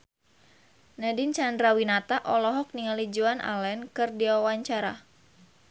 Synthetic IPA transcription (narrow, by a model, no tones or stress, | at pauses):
nadint͡ʃandɾawinat̪aʔɔlɔɦɔk̚niŋalid͡ʒuanʔa̰lɛnkɨrdiwawaɲt͡ʃaɾa̰